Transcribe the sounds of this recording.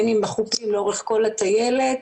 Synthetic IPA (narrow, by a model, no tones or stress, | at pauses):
nimbaχupsimleo̞ʁeχko̞lat̪aje̞let